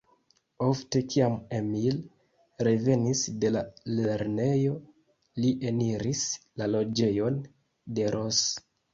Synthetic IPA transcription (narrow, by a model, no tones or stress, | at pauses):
o̞fte̞kiamemil | ɾe̞ve̞nisde̞laleɾne̞jo̞ | liʔe̞niɾislalo̞d͡ʒe̞jo̞n | de̞ɾʔo̞s